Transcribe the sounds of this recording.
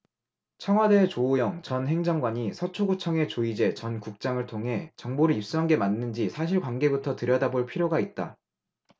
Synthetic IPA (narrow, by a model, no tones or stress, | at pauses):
t͡ɕʰʌŋɦwade̞ːt͡ɕoːjʌŋt͡ɕʌnɦe̞ŋd͡ʑʌŋɡwaɲisʰʌt͡ɕʰoɡut͡ɕʰʌŋe̞t͡ɕoid͡ʑe̞t͡ɕʌnkuk̚t͡ɕ͈aŋɯɭtʰoŋɦe̞t͡ɕʌŋboɾɯip̚s͈uɦanɡe̞manːɯnd͡ʑisʰaɕ̬ʰiɭkwanɡe̞butʰʌtɯɾjʌdaboɭpʰiɾjoɡait̚t͈a̰